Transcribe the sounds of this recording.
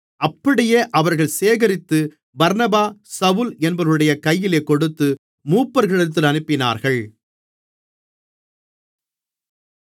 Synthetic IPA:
ɐpːɐɽɪjeːʔɐʋɐɾɣɐɭseːɣɐɾɪt̪ːɯ | bɐɾnɐbaːsɐʋʊlɛnbɐɾɯɽɐjɐkɐjːɪleːkɔɽɯt̪ːɯ | muːpːɐɾɣɪɭɐt̪̬ːɪlɐnɯpːɪna̰ːɾɣɐɭ

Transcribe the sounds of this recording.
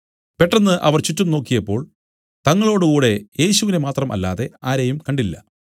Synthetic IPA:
pe̞ʈːɐnːɨʔɐʋɐrt͡ɕutːumno̞ːkːijɐpːo̞ːɭ | t̪ɐŋːɐɭo̞ːɽɨkuːɽe̞je̞ːɕuʋinemaːt̪rɐmʔɐ̰lːa̰ːðe̞aːɾejumkɐɳɖilːɐ̰

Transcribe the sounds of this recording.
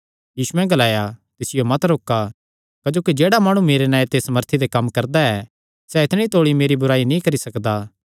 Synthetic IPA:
jiːsuɛ̃ɡɐlaːjat̪ɪsɪjomɐt̪ɾoːkːa | kɐd͡ʒoːkid͡ʒeːɽamaːɽ̃umeːɾenãːet̪eːsməɾt̪ʰid̪ekɐmːkɐɾd̪aɛ | sɛɪt̪ʰɽ̃ĩt̪oːɽimeːɾibʊɾaːinĩkɐɾisɐkd̪a

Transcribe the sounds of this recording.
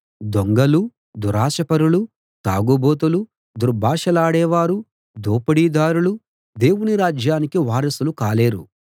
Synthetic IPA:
d̪oŋɡɐlu | d̪uɾaːʃɐpɐɾulu | t̪aːɡuboːt̪̬ulu | d̪uɾbʱaːʂɐlaːɽɛːʋaːɾu | d̪oːpɐɽiːd̪aːɾulu | d̪e̞ːwuniɾaːd͡ʒjaːnikiʋaːɾɐsulukaːleːɾu

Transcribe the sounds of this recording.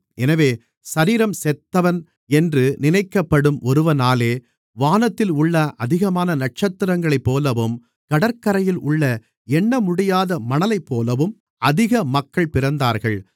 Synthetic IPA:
ʔɛnɐʋeː | sɐɾiːɾɐmsɛt̪ːɐʋɐn | ɛndrɯnɪnɐɪkːɐpːɐɽɯmʔɔɾɯʋɐnaːleː | ʋaːnɐt̪ːɪlʊɭːɐʔɐðɪɣɐmaːnɐnɐʈ̚t͡ʃɐt̪ːɪɾɐŋɡɐɭɐɪpːoːlɐʋɯm | kɐɽɐɾkɐɾɐjɪlʊɭːɐ | ɛɳːɐmʊɽɪjaːðɐmɐnɐlɐɪpːoːlɐʋɯm | ɐðɪɣɐmɐkːɐɭpɪɾɐnd̪aːɾɣɐɭ

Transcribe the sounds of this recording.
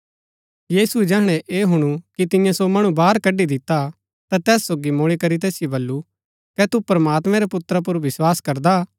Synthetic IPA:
jiːsuɛd͡ʒɛːɦɽ̃ɛʔeːɦʊɽ̃ukit̪ɪ̃jãsomɐɽ̃ũbaːɾkɐɖid̪ɪt̪ːa | t̪at̪ɛːsːoːɡimʊɭ̃ikɐɾit̪̬ɛːsɪjobɐlːu | kɛt̪upɾɐmaːt̪mɛ̃ɾɛpʊt̪ɾap̬ʊɾʋɪswaːskɐɾd̪a

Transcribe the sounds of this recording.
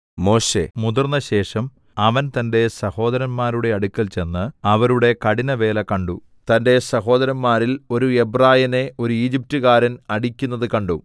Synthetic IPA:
mo̞ːɕe̞̰muðurnːɐɕe̞ːʂɐm | ɐʋɐnt̪ɐnde̞sɐho̞ːd̪ɐɾɐnmaːɾuɽe̞ɐɽukʲːɐlt͡ɕe̞nːɨɐʋɐɾuɽe̞kɐɽinɐʋe̞ːlɐkɐɳɖu | t̪ɐnde̞sɐɦo̞ːd̪ɐɾɐnmaːɾilo̞ɾuebraːjɐne̞o̞ɾuiːd͡ʑip̚tɨɣaːɾɐnɐɽikʲːunːɐðɨkɐɳɖu

